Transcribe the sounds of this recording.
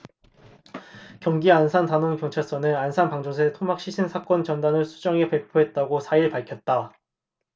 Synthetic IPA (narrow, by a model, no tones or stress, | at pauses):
kjʌŋɡiansʰantanoŋkjʌŋt͡ɕʰaɭs͈ʌnɯnansʰanpaŋd͡ʑos̬ʰe̞tʰomak̚ɕ͈ʰiɕʰinsʰak͈ʌnt͡ɕʌndanɯɭsʰud͡ʑʌŋe̞pe̞pʰoɦe̞t̚t͈aɡosʰaiɭpaɭkʰjʌt̚t͈a